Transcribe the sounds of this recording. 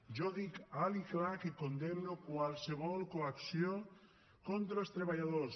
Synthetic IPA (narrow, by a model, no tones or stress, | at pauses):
ʒoðikaliklakekond̪emnokwalseβ̞ɔlkoaksjo | kont̪ɾost̪ɾeβ̞aʎaðos